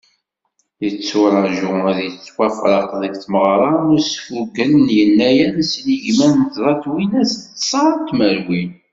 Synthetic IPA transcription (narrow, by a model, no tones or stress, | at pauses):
jət͡sːʊɾˤɑʒʊʊðjət͡sːwæfɾˤɑqðəɡθməʁɾˤɑʊɾsfuɡələnjənːæjænsliʝmænnt̪ðˤɑt̪winæst̪ːsˤɑt̪ːməɾwin